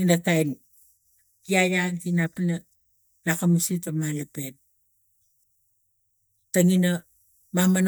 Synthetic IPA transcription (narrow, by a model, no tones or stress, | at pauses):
inakajn | kiajankinapana | lakamusitamalapet̚ | taŋina | maman